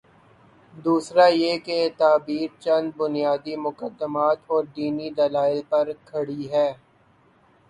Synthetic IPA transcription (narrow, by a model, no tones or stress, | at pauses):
d̪uːsɾajeːket̪aːbiːɾt͡ʃɐ̃nd̪̚bʊnijaːd̪imʊkəd̪ːəmaːt̪ɔːɾd̪iːnid̪ɐlaːɪlpɐɾkʰɐɽiɦɛː